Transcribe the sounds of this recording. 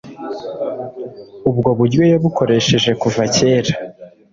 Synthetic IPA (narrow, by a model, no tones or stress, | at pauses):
ubɡo̞βuɾjojoβukʰo̞ɾe̞ʃe̞ʒe̞kuvace̞ːɾa